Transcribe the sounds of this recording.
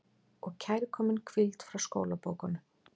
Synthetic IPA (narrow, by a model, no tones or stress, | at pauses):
ɔɣcʰajɾɪkʰɔːmɪnkʰvɪlt̪fɾawsko̰ːwlapoːwkanʏ